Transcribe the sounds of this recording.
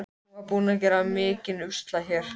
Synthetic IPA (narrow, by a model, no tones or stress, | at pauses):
kapuːnac̬ɛɾamɪːcɪnʏst̪laçɛːɾ̥